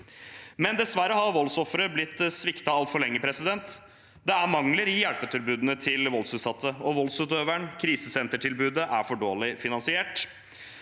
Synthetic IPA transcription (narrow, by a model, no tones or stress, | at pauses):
mɛnd̪ɛsʋæɾəhɑɾʋɔlsɔfɾəblɪt̪ːsʋɪkt̪ɑɑlt̪fɔɭɛŋːəpʰɾɛsɪd̪ɛnt̪ | d̪ɛæɾmɑŋləɾɪjælpət̪ʰʏlbʉːd̪ənət̪ʰɪlʋɔlsʉːt̪sɑt̪ʰːəɔʋɔlsʉːt̪øːʋæɳkʰɾiːsəsɛnt̪əʈʰɪlbʉːd̪əʔæɾfɔɖoːlɪfɪnɑnsɪeːʈ